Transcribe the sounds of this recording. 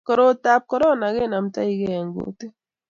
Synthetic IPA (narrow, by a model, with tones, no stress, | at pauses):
kɔ˨ɾo˦ta˦p̚kɔ˦ɾɔ˦na˨ɣe˦na˨mta̰˦i˦kɛ˦˨ŋɡo̰˨te˦